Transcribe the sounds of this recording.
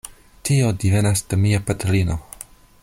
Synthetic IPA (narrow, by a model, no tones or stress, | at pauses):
tio̞dive̞nasd̥emiapatelino̞